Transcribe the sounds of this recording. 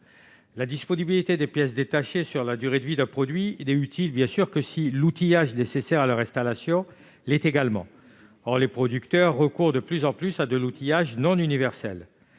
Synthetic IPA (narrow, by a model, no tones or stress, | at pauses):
lad̪ispɔnibilit̪ed̪epjɛs̬d̪et̪aʃesyʁlad̪yʁed̪əvid̪ɛ̃pχɔd̪ɥilɛyt̪ʰilbjɛ̃syʁkəsilut̪ijaʒnesesɛʁalœʁɛ̃st̪alasjɔ̃ | lɛt̪eɡalmɑ̰̃ | ɔʁlepχɔd̪ykt̪œʁːəkuʁd̪əplyzɑ̃plysad̪əlut̪ijaʒnɔ̃nynivɛʁsɛ̰l